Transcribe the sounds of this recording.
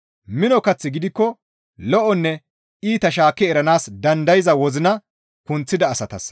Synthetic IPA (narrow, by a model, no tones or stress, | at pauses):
mɪnɔkɐt͡sːɪɡɪd̪ɪkːɔ | lɔʔɔnːɛ | iːt̪ɐʃ̬aːkːɛɛɾɐnaːsd̪ɐnd̪ɐjɪzɐwɔzɪnɐ | kʊnt͡sːɪd̪ɐːsɐt̪ɐ̰s